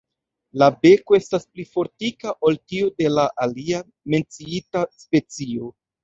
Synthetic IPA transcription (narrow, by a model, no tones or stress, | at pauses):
labe̞koe̞stasplifo̞ɾtikaʔoltiode̞laʔalia | me̞nt͡siitaspe̞t͡sio̞